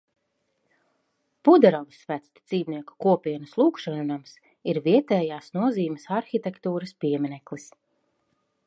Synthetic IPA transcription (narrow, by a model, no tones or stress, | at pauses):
pud̪ɛɾɔvisvæt̪st̪d̪z̥iːbniɛku̥kuɔpʲiɛnuslˠuːkʃannams | iɾviɛt̪ɛːjaːsnuɔziːmɛsaɾxit̪ekt̪uːɾɐspiɛmʲinɛklˠis